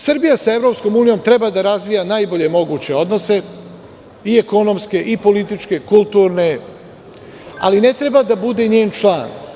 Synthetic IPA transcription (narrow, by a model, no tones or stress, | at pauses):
sɨr̩ɾbijasae̞vɾo̞psko̞muːnijo̞mt̪ɾe̞baːd̪aɾazʋijanajbo̞ʎe̞mo̞ɡuːt͡ɕe̞o̞d̪no̞se̞ | ieko̞no̞mske̞ʔipo̞lit̪it͡ʃke̞kulˠt̪uːɾne̞ | a̰line̞t̪ɾe̞bad̪abud̪e̞ɲeːnt͡ʃlˠa̰ːn